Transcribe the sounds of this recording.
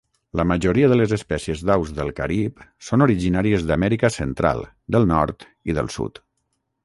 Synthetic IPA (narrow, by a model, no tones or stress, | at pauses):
ləməʒuɾiəðələzəspɛsiəzðawzðəlˠkəɾipsonoɾiʒinaɾiəzðəmɛɾikəsənt̪ɾa̰lˠ | d̪əlˠnɔɾt̪ | iðə̰lˠsṵt̪